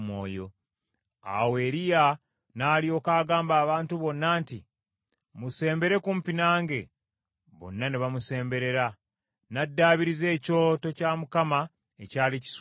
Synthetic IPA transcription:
mwo̰ːjo̞̰ | a̰we̞ːɾija | naːlio̞ːkaːɡaːmbaːβaːntuβo̞nːaːnti | muse̞ːmbe̞ɾe̞kumpinaːŋɡe̞ | βo̞̰nːaniβamuse̞ːmbe̞ɾe̞ɾa | nadːaːβiɾize̞ːco̞ːto̞camukama | ecaːlici̥s

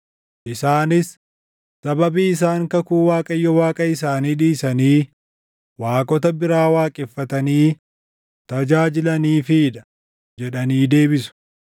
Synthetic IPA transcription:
ʔɪsaːnɪsː | ɐbɐbiːɪsaːŋkɐkuːwaːkʼɐjːɔwaːkʼɐɪsaːniːᶑiːsɐniː | waːkʼɔt̪ɐbɪɾaːwaːkʼɪfːɐt̪ɐniː | t̪ɐd͡ʒaːd͡ʒɪlɐniːfiːᶑɐ̥ | d͡ʒɛᶑɐniːd̪e̞ːbɪsʊ̥

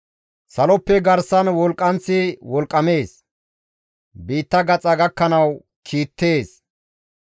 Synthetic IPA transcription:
sɐlɔpːɛɡɐɾsɐnwɔlkʼːɐnt͡sːɪwɔlkʼːɐme̞ːs | biːt̪ːɐɡɐt͡sʼɐɡɐkːɐnɐw | kʰiːt̪ːe̞ːs

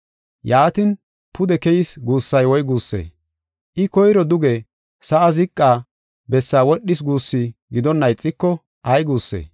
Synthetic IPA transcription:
jaːt̪ɪn | pʊd̪ɛkɛjɪsɡuːsːɐjwɔjɡuːsːḛː | ʔɪkɔjɾɔd̪ʊɡe | sɐʔɐzɪkʼːaː | bɛsːaːwɔɗːɪs̬ɡuːsːiɡɪd̪ɔnːɐjt͡sʼːɪkːɔ | ɐjɡuːsːḛː

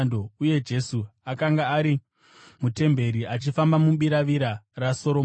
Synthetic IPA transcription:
ndouje̞d͡ʒe̞suakaŋɡaːɾi | mute̞mbe̞ɾiat͡ʃifambamuɓiɾaʋiɾaraso̞ɾo

